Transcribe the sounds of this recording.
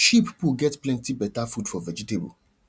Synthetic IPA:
ʃipipuɡɛtplɛ̃ntibɛtafud̥fɔvɛd͡ʒitebə̰l

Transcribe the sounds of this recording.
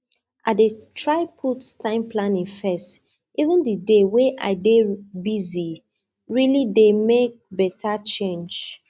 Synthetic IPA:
ʔatdetʰɹaɪpʰutstãɪ̃mpʰlãnĩŋfɛst | ivə̃ndideweʔa̰ɪdebizi | ɹilidemek̚bɛtʰat͡ʃẽnd͡ʒ

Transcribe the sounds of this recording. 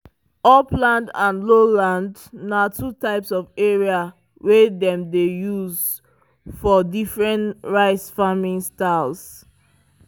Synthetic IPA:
ɔplãndãnlolãnd | natutaɪpsɔveɹia | wɛdɛ̃mdejuz | fɔdifɹɛ̃ntɹaɪsfamĩnstaɪls

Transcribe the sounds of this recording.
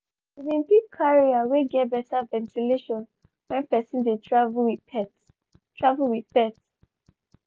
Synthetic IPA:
idĩnpip̚kʰaɹiaweɡɛt̚bɛtavɛ̃ntʰileʃɔ̃n | wɛ̃npɛsĩndetɹavwiɛt | tʰɹavulwiðpɛt

